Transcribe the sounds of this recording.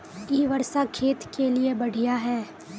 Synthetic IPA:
iːʋɐɾsakʰeːt̪keliebɐɽ̤ʱijaɦɛː

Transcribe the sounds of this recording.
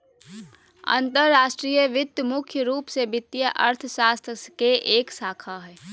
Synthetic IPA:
ə̰̃nt̪əɾːaːʃʈɾiːjəʋɪt̪ːjəmʊkʰjəɾuːpsebɪt̪ːjəʔəɾt̪ʰəʃaːst̪ʰəskeʔeːksaːkʰaɦɛː

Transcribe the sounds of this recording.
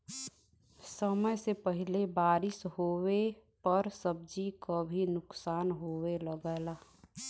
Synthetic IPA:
səməjsepəɦɪlebaːɾɪshowepəɾsəb̚d͡ʒikəbʱinʊksaːnɦoweləɡəːla

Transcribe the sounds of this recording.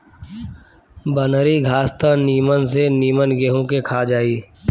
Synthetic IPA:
bənɾiɡʱaːst̪əniːməns̬eniːmənɡeɦõkekʰaːd͡ʒaːiː

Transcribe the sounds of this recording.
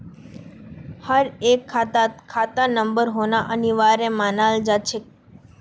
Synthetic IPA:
həɾekʰːat̪akʰat̪anəmbəɾɦonaʔəniʋaɾemanald͡ʒat͡ʃʰe

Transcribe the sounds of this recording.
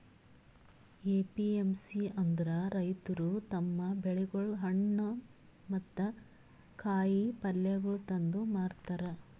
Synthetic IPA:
eːpiemsiɐnd̪ɐɾɐɾɐjt̪ɐɾut̪ɐmːɐbɛɭɛɡɐɭɦɐɳːɐ | mɐt̪ːɐ | kʰaːjipɐlːɛɡɐɭut̪ɐnd̪umaːɾt̪ɐɾɐ

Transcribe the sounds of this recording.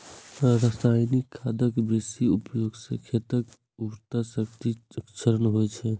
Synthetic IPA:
ɾəsajnikʰːad̪əkbesiupjoɡsə̰kʰet̪ək | uɾt̪asəkt̪iəkt͡ʃʰəɾənɦojt͡ʃʰɛ

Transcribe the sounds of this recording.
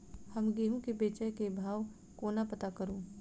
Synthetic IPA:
həmɡeːɦũkebeːt͡ʃəjkebʱaːʋ | koːnapɐt̪akəɾoː

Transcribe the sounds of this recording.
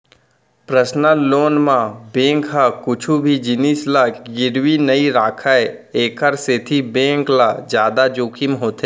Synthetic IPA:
pɾəsnəloːnmãbẽːŋkɦakʊt͡ʃʰubʱid͡ʒɪniːslaɡɪɾwinəiɾaːkʰae | eːkəɾset̪ʰibẽːŋklad͡ʒjaːd̪ad͡ʒoːkʰimɦoːt̪eː

